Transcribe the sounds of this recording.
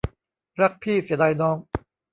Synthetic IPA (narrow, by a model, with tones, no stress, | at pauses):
ɾa˦˥k̚pʰiː˥˩si˩˦d̪a˧jnɔː˦˥ŋ